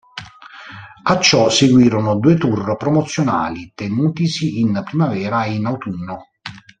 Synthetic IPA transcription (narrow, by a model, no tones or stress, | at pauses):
at͡ʃːɔseɡwiːɾonod̪uːet̪urpɾɔmot̪sːjona̰ːlit̪enuːt̪isiːnpɾimavɛːɾainawt̪unːo